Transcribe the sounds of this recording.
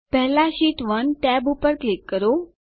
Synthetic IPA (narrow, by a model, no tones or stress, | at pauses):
pɛɦlãɕiːʈʋənʈɛbupəɾklikːəɾo